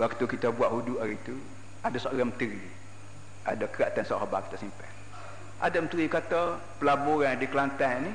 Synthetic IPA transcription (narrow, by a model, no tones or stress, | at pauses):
wak̚t̪ukit̪əbuwaʔɦuduʔaɾit̪u | adasaʔaɾamət̪əɾi | adəkəɾaʔt̪ansa̰ʔhabaki̥t̪asimpɛr | ʔa̰damət̪əɾikat̪ə | pəlabuɾandiklant̪ani